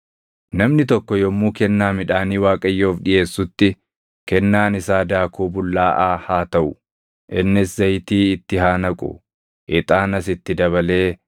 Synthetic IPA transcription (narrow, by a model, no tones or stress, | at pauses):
nɐmnɪt̪ɔkːɔjɔmːuːkɛnːaːmɪᶑaːniːwaːkʼɐjːo̞ːfᶑɪʔe̞ːsːʊt̪ːɪ | kɛnːaːnɪsaːd̪aːkuːbʊlːaːʔaːhaːt̪ɐʔʊ | ʔɪnːɪszɐjt̪iːɪt̪ːɪɦaːnɐkʼʊ̰ | ʔɪt̪ʼaːnɐsɪt̪ːɪd̪ɐβɐle̞ː